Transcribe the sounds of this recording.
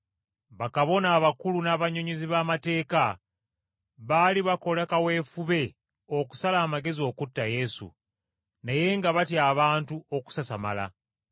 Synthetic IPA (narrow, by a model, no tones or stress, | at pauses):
βakaβo̞naːβakulunaβaɲoɲeziβaːmate̞ːka | βaliβako̞lakawe̞ːfuβe̞ | o̞ku̥salaːmaɡe̞zio̞ːkutːaje̞sṵ | naje̞ŋɡaβatjaːβaːntuo̞ku̥sasama̰la̰